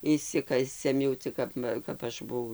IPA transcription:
ɪʃʲˈsʲɪkɐsʲɛm jɛʊ ˈt͡sʲɪk kɐp ˈʋɐ kɐp ˈɐʃ bʊˈʋɐʊ

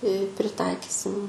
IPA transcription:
ɪ pʲrʲɪˈtɐɪkʲɪsʲɪm

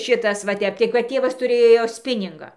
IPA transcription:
ˈʃʲɪtɐs ʋɐ ˈtʲɛp tɐɪ kɐt ˈtʲeːʋɐs tʊˈrʲeːjoː ˈsʲpʲɪnʲɪŋɡɑː

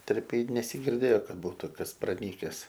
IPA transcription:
ˈtʲɛrʲpʲeːj nʲɛsʲɪɡʲɪrʲˈdʲeːjoː ˈkɐt ˈbuːtʊ ˈkɐs prɐˈnʲiːkʲɛs

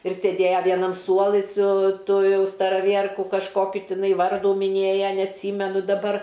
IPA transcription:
ɪr sʲeːˈdʲeːjɛ ˈʋʲiɛnɐm ˈsuɔlˠɨ sʊ ˈtʊ ˈjɛʊ stɐrɐˈʋʲiɛrkʊ kɐʃˈkoːkʲʊ ˈtʲɪˈnɐɪ ˈʋɐrduː mʲɪˈnʲeːjɛ nʲɛɐtʲˈsʲiːmʲɛnʊ dɐˈbɐr

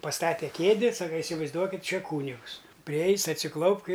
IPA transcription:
pɐˈstɑːtʲɛ ˈkʲeːdʲɪ ˈsɑːkɐ ɪsʲɪʋɐɪzˈduɔkʲɪtʲ ˈt͡ʃʲɛ ˈkuːnʲɪɡʊs pʲrʲɪˈɛɪsʲ ɐtʲsʲɪˈklˠɐʊpk ɪ

